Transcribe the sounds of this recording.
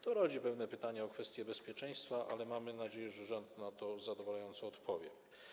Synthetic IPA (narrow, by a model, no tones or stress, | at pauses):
t̪ɔɾɔd͡ʑipɛvnɛpɘt̪aɲɛɔkfɛst̪ʲjɛbɛspʲjɛt͡ʂɛj̃st̪faʔa̰lɛmamɘnad͡ʑeɛjɛʐɛʐɔnt̪nat̪ɔzad̪ɔvalajɔnt̪sɔːt̪pʰɔvʲjɛ̰